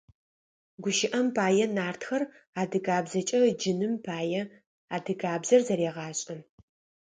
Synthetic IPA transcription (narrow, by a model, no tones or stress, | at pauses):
ɡʷʊʃɪʔɐmpʰaːjɛnaːrtxɐr | aːdɨɡaːbzɐt͡ʃʼɐd͡ʒɪnɨmpʰaːjɛ | aːdɨɡaːbzɐrzɐɾeːʁɑːɕʼɐn